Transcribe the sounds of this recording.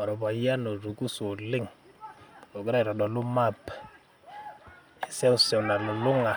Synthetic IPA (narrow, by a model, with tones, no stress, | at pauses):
a˨ɾɔ˨pa˨ja˦no˨ɾu˨ku˦so˨lɪ˦ŋ | o˨ɡi˦ɾa˦i˨ɾɔ˨dɔ˨lu˦ma˦˨p | ɛ˨sɛ˦ʊ˦sɛ˨na˨lu˨lʊ˦ŋa˨